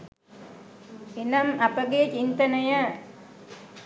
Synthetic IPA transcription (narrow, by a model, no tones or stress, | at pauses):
enɐmapəɡet͡ʃint̪ənəjə